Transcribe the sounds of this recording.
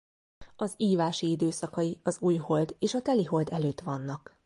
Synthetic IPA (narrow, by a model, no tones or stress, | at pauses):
ɒziːvaːʃiid̪øːsɒkɒjiɒzuːjho̞ld̪eːʃɒt̪ɛliɦo̞ld̪ɛløːt̪ʋɒnːɒk